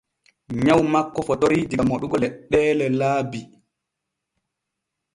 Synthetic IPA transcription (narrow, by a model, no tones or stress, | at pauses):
ɲawmakːɔfɔtoɾidiɡamoɗuɡɔlɛɗːɛːlɛlaːbi